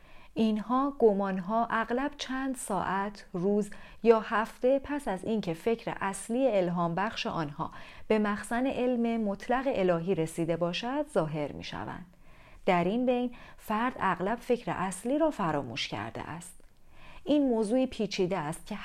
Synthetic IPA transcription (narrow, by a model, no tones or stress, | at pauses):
ʔinhɒːɡ̥omɒːnɦɒːʔæɣlæb̥̚t͡ʃʰænd̪sɒːʔæt̪ʰruːz | jɒːhæft̪e̞pʰæsæziːncʰe̞fe̞cʰɾe̞̰ʔæsliːje̞elɦɒːmbæxʃeʔɒːnhɒ̰ːb̥e̞mæxsæne̞ʔe̞lme̞mot̪ʰlæɣeʔelɒːɦiːɾe̞siːd̪ebɒːʃæd̪zɒːɦe̞ɾmḭʃæ̰væ̰nd̪̥ | d̪æɾinbe̞jnfæɾd̪æɣlæb̥fe̞cʰɾḛʔæsliːɾɒːfæɾɒːmṵːʃcʰæ̰ɾd̪ḛʔæ̰st̪ | ʔiːnmoːzuːiːpʰiːt͡ʃʰiːd̪eæst̪̚cʲʰe̞